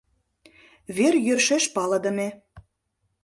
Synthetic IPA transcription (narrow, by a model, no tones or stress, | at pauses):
βerjørʃeʃpɑlɤ̆d̪ə̆me